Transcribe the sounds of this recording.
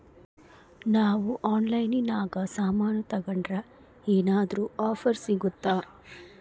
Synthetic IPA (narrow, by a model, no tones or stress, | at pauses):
naːʋuʔaːnlɐjninaːɡɐsaːmaːnɐt̪ɐɡɐɳɖɾɐ | eːnaːd̪ɐɾuaːpʰɐɾsiɡut̪ːaː